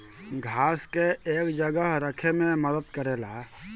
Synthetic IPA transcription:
ɡʱaːskeeːkd͡ʒəɡəɦɾəkʰemẽməd̪əd̪kəɾeːla

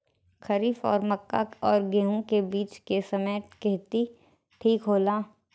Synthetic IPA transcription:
kɐɾiːfɔ̰ːɾmɐkːa̰kɔːɾɡeːɦũkebiːt͡ʃkesɐmeːt̪kɪɦt̪i | ʈʰiːkɦoːlaː

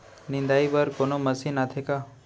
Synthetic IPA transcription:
nɪ̃nd̪aiʋəɾkonoməsinat̪ʰeka

